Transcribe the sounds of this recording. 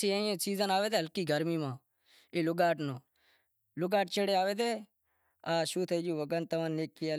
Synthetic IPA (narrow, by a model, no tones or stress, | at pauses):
siːə̃ːẽːsiːzənaːʋeːd̪eɦəlkiːɡəɾmiːmãː | eːlʊɡaːʈnõː | lʊɡaːʈt͡ʃʰeɽeːaːʋeːd̪eː | aːʃuːt̪ʰəd͡ʒuːʋəɡənt̪əʋə̃neːkːiːaː